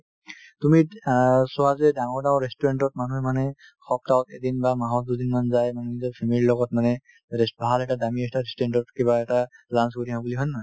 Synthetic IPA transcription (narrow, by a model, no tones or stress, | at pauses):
tumisɔɦazɛdaŋɔɹdãw̃ɹestɔɹɛntɔt̚manuɦɛmanɛ | xɔp̚tawtḛdinbamaɦɔt̚dudinmanzajmanizɔpʰemililɔɡɔtmanɛ | ebʱalɛtadamistaɹestɔɹɛntɔtkibaɛtalansɡoɾiɦãbuliɦɔjnma